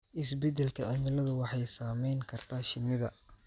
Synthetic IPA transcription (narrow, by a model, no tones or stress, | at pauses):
ʔɪs̬bɛd̪ɛlkʰɐʕɪmɪlɐðʊwɑħɑjsaːmɛjŋkʰɐrt̪ʰaːʃɪnɪðɐ